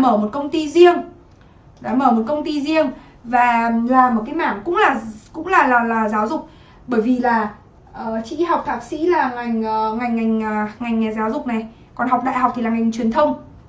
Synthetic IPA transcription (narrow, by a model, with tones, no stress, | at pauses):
məː˧˩mo˨˩t̚kə˧wŋ͡mt̪i˧zi˧əŋ | ɗaː˨˧˩məː˧˩mo˨˩t̚kə˧wŋ͡mt̪i˧zi˧əŋ | vaː˨˩laː˨˩mo˨˩t̚kaː˨˦jmaː˧˩mkʊ̰˧˥ŋ͡mlaː˨˩kʊ̰˧˥ŋ͡mlaː˨˩laː˨˩laː˨˩zaː˨˦wzʊ˨˩k͡p̚ | ɓəː˧˩jvi˨˩laː˨˩ | ʔəː˨˩t͡ɕḭ˧˥ha˨˩wk͡p̚t̪ʰaː˨˩k̚sḭ˧˥laː˨˩ŋa˨˩jŋ̟ː˨ŋa˨˩jŋ̟ŋa˨˩jŋ̟˨˩ŋa˨˩jŋ̟ŋaː˨˩zaː˨˦wzʊ˨˩k͡p̚na˨˩j | kɔ˨˩nhɦa˨˩wk͡p̚ɗa̰ː˧˨jɦa˨˩k͡p̚t̪ʰi˨˩laː˨˩ŋa˨˩jŋt͡ɕwi˨˩ənt̪ʰə˧wŋ͡m